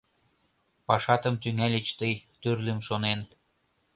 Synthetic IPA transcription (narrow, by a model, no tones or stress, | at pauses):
pɑʃɑt̪ə̆mt̪yŋælʲet͡ɕt̪əjt̪ørlemʃonen